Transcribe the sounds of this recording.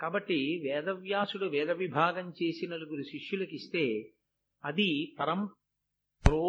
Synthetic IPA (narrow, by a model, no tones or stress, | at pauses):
kaːbɐʈːiʋɛːd̪ɐʋjaːsuɽuʋɛːd̪ɐʋibʱaːɡɐmt͡ʃeːsinɐluɡuɾuʃiʂjulɐkist̪e̞ː | ɐd̪ipɐɾɐm | pɾoː